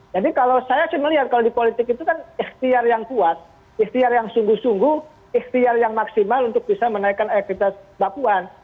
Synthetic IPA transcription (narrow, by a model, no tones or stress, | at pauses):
d͡ʒadikalawsajasɪməliɦat̪̚kalawdipolit̪ɪkit̪ukanixt̪iarjaŋkuat̪̚ | iht̪iarjaŋsuŋɡʊhsuŋɡʊh | ixt̪iarjaŋmaksimalunt̪ʊk̚bisamənaikanak̪̚it̪asbapuan